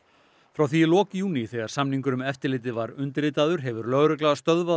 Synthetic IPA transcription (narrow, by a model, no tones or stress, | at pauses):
fɾawθilɔːkjuːniθɛɣaɾsamniŋkʏɾʏmɛft̪ɪɾlɪːt̪̬ɪvaɾʏnt̪ɪɾlɪːt̪aðʏɾɦɛvʏɾlœɣɾʏklaɣast̪œðva